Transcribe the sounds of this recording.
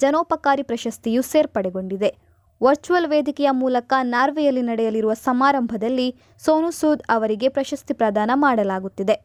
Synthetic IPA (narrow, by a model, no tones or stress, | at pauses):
d͡ʒɐnoːpɐkaːɾipɾɐʃɐst̪ijuseːɾpɐɽɛɡo̞ɳɖid̪e̞ | ʋɐɾt͡ʃuʋɐlʋeːd̪ʱikɛjɐmuːlɐkɐnaːɾʋɛjɐlːinɐɽɛjɐliɾuʋɐsɐmaːɾɐmbʱɐd̪ɐlːi | soːnusuːd̪ɐʋɐɾiɡe̞pɾɐʃɐst̪ipɾɐd̪ʱaːnɐmaːɽɐlaːɡut̪ːid̪e̞